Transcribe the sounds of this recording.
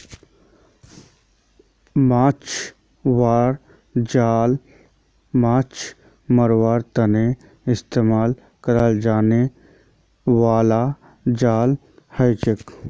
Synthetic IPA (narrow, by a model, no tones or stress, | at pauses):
maːt͡ʃ | ʋaːɾ | d͡ʒaːl | maːt͡ʃ | məɾwaːɾt̪əne | ɪst̪eːmaːl | kəɾəld͡ʒaːne | ʋaːla | d͡ʒaːl | həjt͡ʃɪk